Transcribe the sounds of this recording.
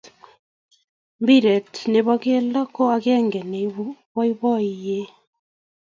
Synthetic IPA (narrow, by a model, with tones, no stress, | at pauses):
mbi˦ɾɛ˨tne˨βa˦ɣe˦la˦kɔ˦a˨ɣɛ˦ŋɡɛ˨ne˨βɔ˦i˦βɔ˦ije˦